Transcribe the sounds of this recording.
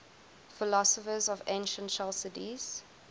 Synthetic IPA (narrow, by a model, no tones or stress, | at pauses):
fɪlɔsəfəzɔvḛ̃ɪ̃nʃə̃ntʃɛlsɪtiz̥